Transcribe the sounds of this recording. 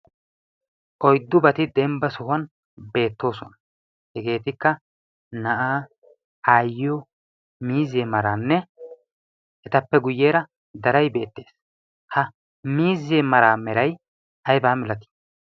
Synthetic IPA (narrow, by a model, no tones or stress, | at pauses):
ʔɔjd̪ːʊbɐt̪ɪd̪ɛmbɐsʊhʊɐn | be̞ːt̪ːo̞ːsɔnɐ̥ | hɛɡe̞ːt̪ɪkːɐ | nɐʔaː | aːjɔ | miːzeːmɐɾaːnːɛ | ʔɛt̪ɐpːɛɡʊjːeːɾɐ | d̪ɐɾɐjbe̞ːt̪ːe̞ːs | hɐ | miːzeːmɐɾaːmɛɾɐj | ʔɐjbaːmɪlɐt̪i̥